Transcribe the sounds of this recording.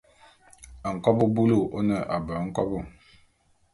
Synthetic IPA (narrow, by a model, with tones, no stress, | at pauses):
ə˨ŋ̩˨kɔ˦bu˦bu˦lu˦˨ʔo˦nə˨ʔa˨bə˨˦ŋ̩˦kɔ˦bu˦˨